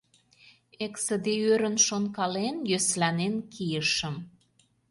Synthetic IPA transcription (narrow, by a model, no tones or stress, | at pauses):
eksə̆d̪eøɾə̆nʃonkɑlenjøslænenkijəʃə̆m